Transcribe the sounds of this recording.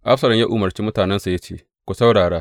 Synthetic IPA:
ʔa˦ɸsɐ˨lɐ˨mja˦ʔuː˨mɐ˨rt͡ʃiː˦mʊ˦taː˨nɛ˦nsa˨ja˦t͡ʃeː˦˨ | kʷu˨sa˦wɽaː˨ɽaː˦

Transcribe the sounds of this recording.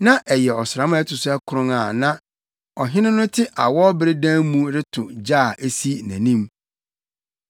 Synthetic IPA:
nã˦ʔɛ˨jɛ˨ɔ˨sɾa˨˦m̃˦ɛ˦tʊ˨sʊ˦ɛ˦kʰʊ˨ɾʊ̃˦ŋa˨nã˦ | ɔ˨ɦɪ̃˦nɪ̃˦nʊ̃˦tʰɪ˦ʔa˨wɔ˦bɪ˦ɾɪ˦dã˦mũ˦ɾɪ˦tʰʊ˨d͡ʑaː˦˨ʔe˦si˦˨næ̰̃˨nĩ˦m

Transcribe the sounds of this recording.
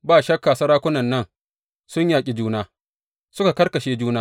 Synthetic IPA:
baː˦˨ʃɐ˦kːaː˨sɐ˦ɾaː˦kʷʊ˦nɐ˨nːɐ˦n | sʊ˦ɲjaː˨kʲʼi˨d͡ʒuː˦naː˦ | sʊ˦ka˨kɐ˦rkɐ˨ʃeː˦d͡ʒuː˦naː˦

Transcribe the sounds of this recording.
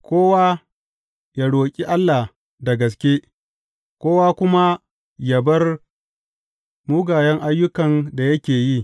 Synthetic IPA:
kʷoː˦wa˦ | ja˨ɽoː˨kʲʼi˦ʔa˦lːa˨ | da˨ɡɐ˨s̬kʲeː˦ | kʷoː˦waː˦kʷʊ˦ma˦ | ja˨bɐ˦r | mu˦ɡaː˨jɛ˦ŋʔa˦jːʊ˦kɐ˨nda˨jɐ˦kʲeː˨ji˦

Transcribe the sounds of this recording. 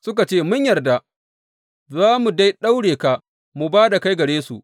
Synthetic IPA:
sʊ˦k̬a˨t͡ʃeː˦mʊ˦ɲjɐ˨rda˨ | zaː˦mu˨da˦jɗa˦wɽeː˨ka˨ | mu˨baː˦da˨ka˦jɡɐ˨ɽeː˦su˨ʔ

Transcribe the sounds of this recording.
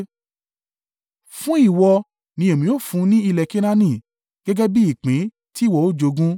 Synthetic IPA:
fũ˦i˦˨wɔ˧ | nĩ˧˦e˨mĩ˨˦o˦˨fũ˧˦nĩ˦i˧lɛ˨ke˦nã˦nĩ˦˨ | ɡ̥ɛ˦ɡɛ˦bi˦i˦˨k͡pĩ˨˦ | ti˦˨wɔ˦˨o˦˨d͡ʒo˨˧ɡũ˦

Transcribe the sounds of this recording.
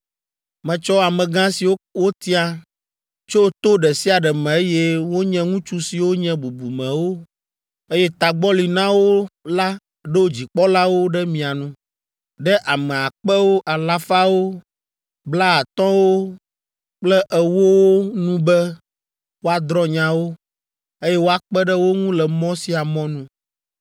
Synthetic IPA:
mɛ̃˨t͡ʃɔ˦a˨mɛ̃˨ɡã˦si˨wo˦wo˦t̪i˦a˦ | t͡ʃo˦t̪o˦ɖɛ˨si˦a˨ɖɛ˨mɛ̃˨e˦jɛ˦wo˦ɲɛ̃˦ŋũ˦t͡ʃu˦si˨wo˦ɲɛ̃˦bu˨bu˨mɛ̃˨wo˦ | e˦jɛ˦t̪a˨ɡ͡bɔ˦li˨nã˦wo˦la˦ | ɖɛ˦wo˦d͡ʑi˨k͡pɔ˦la˦wo˦ɖɛ˦mĩ˨a˨nũ˦ | ɖɛ˦ʔa˨mɛ̃˨a˨k͡pɛ˦wo˦ʔa˨la˦fa˦wo˦ | bla˦a˨t̪ɔ̃˦wo˦ | k͡plɛ˦ʔɛ˨wo˦wo˦nũ˦bɛ˦ | wo˦a˦d̪ɾɔ̃˦ɲã˦wo˦ | e˦jɛ˦wo˦a˦k͡pɛ˦ɖɛ˦wo˦ŋũ˦lɛ˨mɔ̃˦si˦a˨mɔ̃˦nũ˦

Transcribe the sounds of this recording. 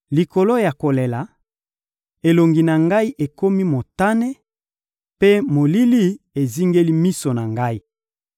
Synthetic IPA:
li˨ko˨lo˦ja˨ko˨le˨la˨˦ | e˨lo˨ŋɡi˨na˨ŋɡa˦i˦ʔe˨ko˦mi˦mo˨ta˦ne˦ | pe˦mo˨li˦li˦ | e˨zi˦ŋɡe˦li˦mi˦so˨na˨ŋɡa˦i˦

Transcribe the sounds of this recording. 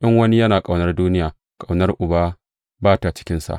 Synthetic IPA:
ʔɐ˦ŋwɐ˦ni˦jɐ˦naː˨kʼa˨wnɐ˦rduː˦nɪ˦jaː˨ | kʼa˨wnɐ˦rʔʊ˨baː˦ | baː˦ta˨t͡ʃɪ̥˦kʲɪ˦nsa̰˨ʔ

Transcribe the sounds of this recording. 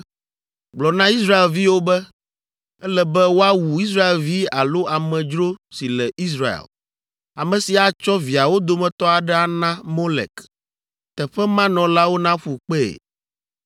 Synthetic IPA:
ɡ͡blɔ˨nã˦i˦sɾa˦e˨lvi˦wo˦bɛ˦ | ɛ˦lɛ˨bɛ˦wo˦a˦wu˨i˦s̬ɾa˦e˨lvi˦a˨lo˦a˨mɛ̃˨d͡ʒɾo˦si˨lɛ˨i˦s̬ɾa˨ḛ˨l | a˨mɛ̃˨si˨a˨t͡ʃɔ˦vi˨a˨wo˦d̪o˨mɛ̃˨t̪ɔ˦a˨ɖɛ˦a˦nã˦mo˦lɛ̰˨k | t̪ɛ˨ɸɛ˦mã˦nɔ̃˨la˦wo˦nã˦fɸu˨k͡pɛ˦ḛ˨

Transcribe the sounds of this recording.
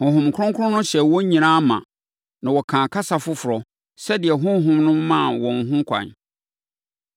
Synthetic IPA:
hʊ̃˨ɦʊ̃˨m˨kʰʊ˦ʊ̃˦ŋkʰʊ˦ʊ̃˦nʊ̃˦ɕɛ˨wɔ̃˦ɲ˦ɲĩ˨nã˦mã̰˨ | nã˨wɔ˨kʰã˨kʰa˦sa˨fʊ˦fʊ˨ɾɔ˨ | sɛ˦dɪ˨ɛ˨ɦʊ̃˦ɦʊ̃˦mnʊ̃˦mːã˦˨wɔ̃˨n˨ɦʊ̃˦kʰʷã̰˨ɲ

